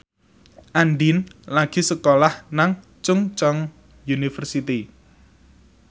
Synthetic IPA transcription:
ʔanɖinlaɡ̥i̤səkolahnaŋ | t͡ʃʊŋt͡ʃɔŋ | junifərsit̪i

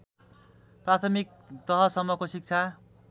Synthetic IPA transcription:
prat̪ʰʌmik̚t̪ʌɦʌsʌmːʌkosik̚t͡sʰa

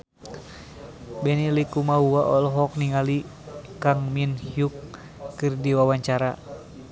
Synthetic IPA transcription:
bɛnilikumauaʔɔlɔɦɔk̚niŋalikaŋminhiukː | ɨrdiwawaɲt͡ʃaɾa

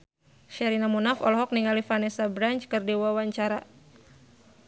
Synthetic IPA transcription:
ʃɛɾinamunafɔ̰lɔɦɔk̚niŋalifanɛsabɾaɲt͡ʃkɨrdiwawaɲt͡ʃaɾa

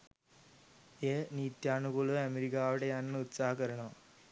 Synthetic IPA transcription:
eːniːt̪jaːɳukoɭuɐmeɾikaːʋiɽejaːnnːɨut̪saːɦɐkɐɾɐɳɐm

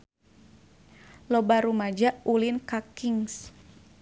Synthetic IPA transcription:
lɔbaɾumad͡ʒaʔulinkakiŋs

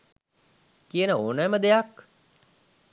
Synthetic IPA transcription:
kijənəoːnəjməd̪ejak

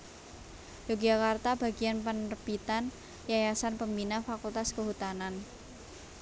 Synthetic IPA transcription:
joɡd͡ʒakart̪ab̥a̤ɡianpənərb̥it̪an | jajasanpəmbinafakult̪askəɦut̪anan

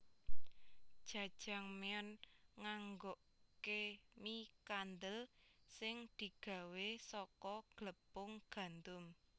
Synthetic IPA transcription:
d̥ʒ̥a̤d̥ʒ̥a̤ŋmeɔnŋaŋɡoʔ | kemikand̪əlsɪŋd̪̥i̤ɡ̥ä̤wesɔkɔɡ̥ləpʊŋɡ̥a̤nt̪ʊm

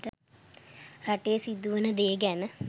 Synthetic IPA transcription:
ʈə | raʈejːsid̪ːuʋənəd̪eːɡɛnə

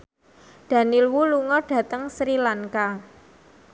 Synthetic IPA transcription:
d̥a̤nilwuluŋɔɖ̥ä̤t̪əŋsɾilaŋka

